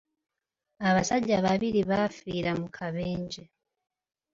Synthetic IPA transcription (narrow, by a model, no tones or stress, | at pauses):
aβasaɟaβaβiɾiβafiɾamukʰaβeːɲɟe